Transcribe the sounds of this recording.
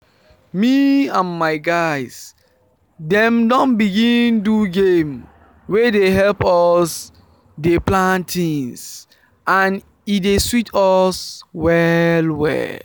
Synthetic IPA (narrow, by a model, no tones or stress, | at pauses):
miãnmaɪɡaɪs | dɛ̃mdɔ̃nbiɡĩnduɡẽm | wedeɦɛlpɔs | deplãntʰĩns | ãn | ideswitɔswɛlwɛ̰